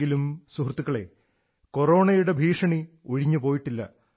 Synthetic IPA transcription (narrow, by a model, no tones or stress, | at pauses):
ɡilumsuhrt̪ːukːɐɭe̞̰ | ko̞ro̞ːɳɐjuɽe̞bʱiːʂɐɳi | oɻiɲːupo̞ːjiʈːilːɐ̰